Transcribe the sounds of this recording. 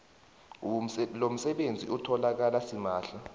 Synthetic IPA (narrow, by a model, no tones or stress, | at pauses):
lom̩sɛɓend͡zʱḭʔutʰɔlak̬alasimaːɬa